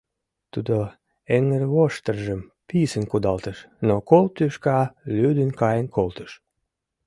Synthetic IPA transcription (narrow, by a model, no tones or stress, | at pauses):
t̪ud̪o | eŋərβoʃt̪ərʒəm | pisənkud̪ɑlt̪əʃ | nokolt̪ːyʃkɑlyd̪ənkɑjənkʰolt̪ə̥ʃ